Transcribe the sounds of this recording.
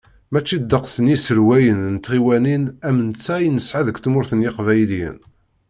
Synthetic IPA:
mæt͡ʃːid̪ːəqsənisəɾwæjənnt̪ːʁiwæninæmənt͡sːæjnəsʕaðəkt̪mʊɾθənjɪqvæjljə̰n

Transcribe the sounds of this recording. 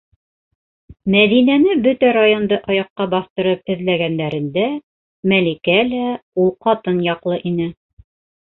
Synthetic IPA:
mæðinænɘbɵt̪æɾajo̞nd̪ɤʔɑjɑqːɑbɑθt̪ɤ̆ɾɤp̚ɘ̆ðlæɡænd̪æɾɘ̆nd̪æ | mælikælæulˠqɑt̪ɤnjɑqlˠɤʔinɘ

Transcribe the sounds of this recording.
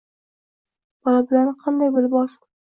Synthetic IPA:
b̥ɒlabɪlanɪqʰɑnd̪ajbɪlɪpɒsɪ̥

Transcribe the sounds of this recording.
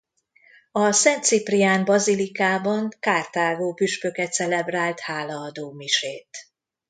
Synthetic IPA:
ɒsɛnt̪sipriaːnbɒzilikaːbɒŋkaːrt̪aːɡoːpyʃpø̞kɛt̪sɛlɛbraːlt̪haːlɒːd̪oːmiʃeːt̪

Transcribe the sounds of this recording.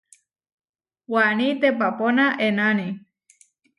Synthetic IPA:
wanit̪ep̬aponaʔenani

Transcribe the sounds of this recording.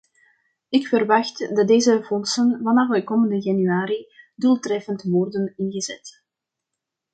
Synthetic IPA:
ɪkfərʋɑxtdɑt̚deːzəvɔnsənvɑnɑxʋɛkoːməndəjɑnyaːɾidulˠtrɛfəntʋɔrdənɪnɣəzɛ̰t

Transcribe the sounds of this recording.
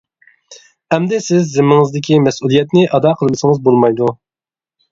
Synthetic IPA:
ɛmd̪ɛsɪzːɪmːɪŋɨzd̪ɪkʲimɛsulˠijɛt̪nɪʔɑd̪ɑːqʰəlˠmɨsəŋəzbolˠmɑjd̪u

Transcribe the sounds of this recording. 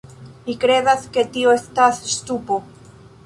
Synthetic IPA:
mikɾe̞daske̞tio̞estasstupo̞

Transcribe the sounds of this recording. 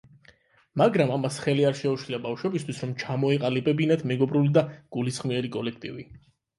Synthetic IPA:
maɡɾamamasχɛliaɾʃɛuʃliabafʃwɛbist̪ʰwisɾɔmt͡ʃʰamɔiqʼalibɛbinad̪mɛɡɔbɾulid̪aɡ̥ulisχmiɛɾikʼɔlɛk̚ʰt̪ʼḭvḭ

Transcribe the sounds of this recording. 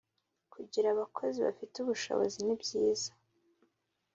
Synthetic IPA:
kʰuɟiɾaβakʰo̞ziβa̰fituβuʃo̞̰βo̰zinibjiːz̥ḁ

